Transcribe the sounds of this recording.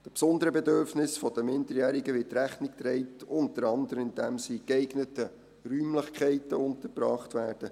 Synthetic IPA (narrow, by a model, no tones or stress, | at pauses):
d̥əpsɔndəɾəbɛdøɾfnɪsfɔd̥əmɪndəɾjæːɾiɡəʋɪtɾæχnɪk̚t̪ɾɛɪtʊntəɾɑndəɾəmɪnd̥ɛmsiːkɛɪɡnətə | ryːmləχkʰɛɪtəʊntəɾbɾɑːχtʋæːɾd̥ə